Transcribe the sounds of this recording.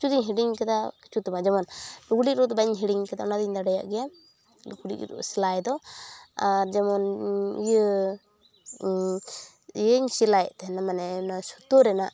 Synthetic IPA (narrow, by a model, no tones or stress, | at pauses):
kit͡ʃʰud͡ʒiɲɦiɖiŋkɛd̪aki̥t͡ʃut̪ɔmad͡ʒamɔnuɡuɽiɾut̪ɔbaɲɦiɽiɲkɛd̪aʔɔnad̪iɲd̪aɽɛja̰ʔɡɛja | ɡuɽḭʔɾṵʔsilajd̪ɔaɾd͡ʒamɔnijə | əɲsilajɛʔt̪ɛɦɛnamanɛnasu̥t̪uɾɛnaʔ